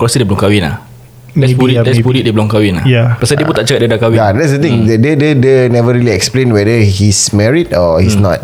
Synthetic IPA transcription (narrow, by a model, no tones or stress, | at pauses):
kɾasədibəlumŋkawɪnla̰ | ɛpuidɛspulit̪̚dibəlʊŋkawɪnlajapasadibut̪aʔt͡ʃəkat̚diadakawijadɛtsdət̪ĩŋddədədənɛvəɹiliɛksplẽnwɛdəhismɛɹidɔhisnɔ̰t̚